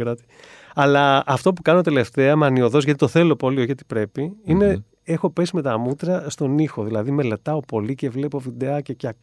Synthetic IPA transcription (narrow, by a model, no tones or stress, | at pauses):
ɾɐt̪i̥ | ɐlɐɐft̪o̞p̬ukɐnot̪ele̞ft̪e̞ɐmɐnio̞ðo̞zʝɐt̪it̪oθe̞lopolioçʝɐt̪i̥pɾe̞piine | e̞xo̞pe̞sime̞t̪ɐmut̪ɾɐst̪o̞nixo̞ðilɐðime̞le̞t̪ɐo̞po̞lice̞vle̞povid̪eɐcecɐ